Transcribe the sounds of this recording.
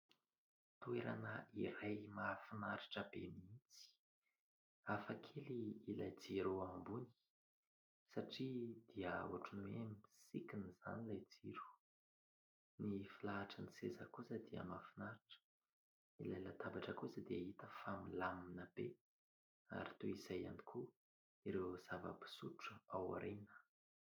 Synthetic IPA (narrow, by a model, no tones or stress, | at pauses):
t̪ueɾa̰nəiɾajmafinaɾiʈ͡ʂəbemiit͡si̥ | afakʰeliːlajd͡ziɾoambuni̥ | saʈ͡ʂid̪̥iəṵaʈ͡ʂunuemiisikiniz̥a̰nilajd͡ziɾu̥ | nifilaːʈ͡ʂənisezəkusəd̪iə̰mafinaɾaʈ͡ʂə̥ | ilajlət̪abaʈ͡ʂəkusəd̪iaɦit̪əfamilaminabe | a̰ɾit̪uizaja̰nikʰu | iɾewz̥avə̰pi̥suʈ͡ʂəawa̰ɾenə̥